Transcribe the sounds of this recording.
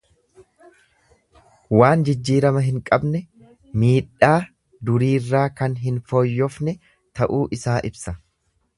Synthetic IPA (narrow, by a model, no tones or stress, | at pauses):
waːnd͡ʒɪd͡ʒːiːɾɐmɐɦɪŋkʼɐbnɛ | miːᶑːaː | d̪ʊɾiːrːaːkɐnɦɪnfoːjːɔfnɛ | t̪ɐʔuːʔɪsaːʔɪbsɐ